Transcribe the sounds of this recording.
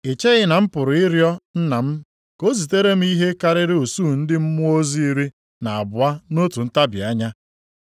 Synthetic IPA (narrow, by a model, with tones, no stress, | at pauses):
e˨t͡ʃe˦ɣɪ˦na˨m̩˦pʊ˨ɾʊ˨ɪ˦ɾjɔ˦n̩˦na˨m̩˦ | ko˦zi˨te˦ɾe˦m̩˦i˦ɦe˦ka˦ɾɪ˦ɾɪ˦o˨su˦˨n̩˦dɪ˦m̩˦mʊ˦o˦zi˦i˦ɾi˦ | na˨a˨bʊ˨a˦no˦tu˨n̩˦ta˦bɪ̰˨a˦ɲa˦